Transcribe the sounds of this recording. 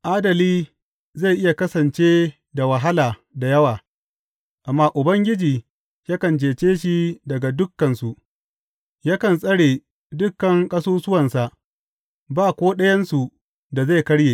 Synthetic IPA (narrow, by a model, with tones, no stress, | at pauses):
ʔaː˦dɐ˨liː˦ | za˦˨jʔɪ˦ja˨kɐ˦sɐ˨nt͡ʃeː˦ | da˨wɐ˨ɦa˦laː˨da˨jɐ˦waː˨ | ʔa˨mːaː˦ʔʊ˨bɐ˦ŋɡʲɪ˦d͡ʒiː˨ | ja˦kɐ˨nt͡ʃeː˨t͡ʃeː˦ʃi˦dɐ˨ɡa˨dʊ˦kːɐ˨nsu˨ | jaː˦kɐ˨nsʼɐ˦ɽeː˨ | dʊ˦kːɐ˨ŋkʼɐ˦soː˦sʊ˦wɐ˨nsa˨ʔ | baː˦˨kʷoː˦ɗɐ˦jɐ˦nsu˨ | da˨za˦˨jkɐ˦ɽjeː˨